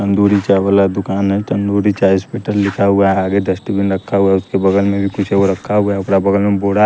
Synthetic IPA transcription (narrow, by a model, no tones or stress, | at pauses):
ə̃nd̪uːɾit͡ʃaʋəlad̪ʊkaːnɦɛʈ̪ə̃nd̪uːɾit͡ʃaːispeːʈəllɪkʰaɦʊaɦɛaːɡed̪əsʈibɪnɾɐkʰːaɦuaʊskebɐɡəlmẽbʱikʊt͡ʃʰɦɛoɾɐkʰːaɦʊaʊkɾabɐɡəlmẽboːɽa